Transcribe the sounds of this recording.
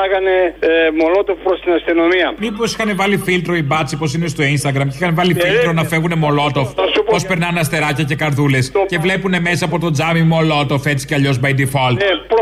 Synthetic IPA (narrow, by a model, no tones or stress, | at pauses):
ɐɣɐnemolot̪ofpɾost̪inɐst̪ino̞miɐmipo̞si̥xɐnevɐlifilt̪ɾo̞ibɐt͡sipo̞s̬ine̞st̪o̞inst̪ɐɡɾɐmixɐnvɐlifilt̪ɾo̞nɐfe̞ɣune̞mo̞lo̞t̪o̞fɐsuppo̞spe̞ɾnɐnɐst̪e̞ɾɐcɐce̞kɐɾðule̞sce̞vle̞pune̞me̞sɐːpo̞t̪o̞d͡zɐmimo̞lo̞t̪o̞fe̞t͡si̥ceɐʎo̞zbɐjd̪ifolp